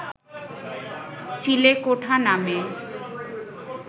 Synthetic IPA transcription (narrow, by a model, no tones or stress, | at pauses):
t͡ɕilekoʈʰaname